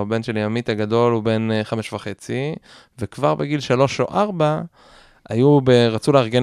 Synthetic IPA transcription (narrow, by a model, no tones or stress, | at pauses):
abe̞nʃeljamit̪aɡad̪o̞lube̞nχameʃvaχe̞t͡si | vekvaʁbeɡilʃalo̞ʃoʔaʁba | ajubeʁat͡suleaʁɡe̞